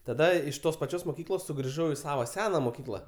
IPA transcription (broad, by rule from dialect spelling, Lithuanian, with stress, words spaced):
tɐˈdɐ ɪʃ ˈtoːs pɐˈt͡ʃʲoːs moːˈkʲiːklˠoːs sʊɡrʲɪˈʒɐʊ ɪ ˈsɑːʋoː ˈsʲæːnɐ moːˈkʲiːklˠɐ